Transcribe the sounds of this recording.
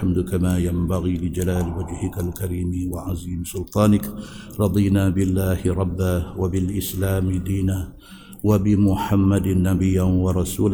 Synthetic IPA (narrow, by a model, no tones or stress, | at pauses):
ħamd̪ʊkamaːjambaɣiːlɪd͡ʒalaːlwad͡ʒhɪkalkaɾiːmwaʕaziːmsʊlt̪ˤɑːnɪk | ɾˤɑd̪ˤiːnaːbɪlːaːhɪɾˤɑbːaːwabɪlʔɪslaːmɪd̪iːnaː | wabɪmʊħamːad̪nːabɪjːawɑɾˤɑsuːla